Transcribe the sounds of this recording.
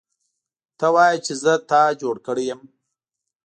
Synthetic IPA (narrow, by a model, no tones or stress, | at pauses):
t̪awɑjat͡ʃezət̪ɑd͡ʒoɽkəɽejəm